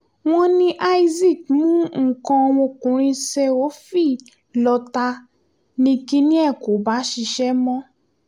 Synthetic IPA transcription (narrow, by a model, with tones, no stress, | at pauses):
w̃ɔ̃˧nĩ˧ʔa˧i˧zi˦˨kmũ˦ŋ̩˨kɔ̃˧w̃ɔ̃˧kũ˨˦ɾ̃ĩ˧sɛ˧o˨˦fi˦˨ | lɔ˧ta˧ | nĩ˧ki˦nĩ˦ɛ˦˨ko˨˦ba˨˦ʃi˧ʃɛ˦mɔ̃˦